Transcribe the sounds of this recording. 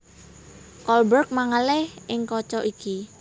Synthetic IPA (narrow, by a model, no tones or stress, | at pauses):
kɔlbərk̚maŋəlɪhʔɪŋkɔt͡ʃɔʔiki